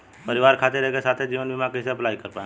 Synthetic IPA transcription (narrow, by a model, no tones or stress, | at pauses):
pɐɾɪʋaːɾkʰaːt̪eɾɛɦekesaːt̪ʰed͡ʒiːʋənbʱimaːkiseɐplaːikɐɾpaːẽ